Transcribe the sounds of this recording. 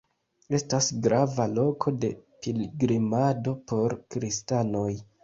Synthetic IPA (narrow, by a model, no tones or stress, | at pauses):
e̞stasɡɾavalo̞kʰo̞de̞̰pilɡɾimado̞po̞ɾkɾistano̞j